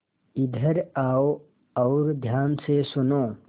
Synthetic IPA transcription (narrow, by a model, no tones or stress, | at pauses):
ɪd̪ʱəɾaːo | ɔːɾd̪ʱjaːnsesʊnõː